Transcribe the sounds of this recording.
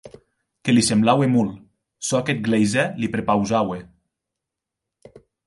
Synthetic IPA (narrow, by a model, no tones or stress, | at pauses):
kelisemblawemul | sɔket̪̚ɡlejzɛlipɾepawzawe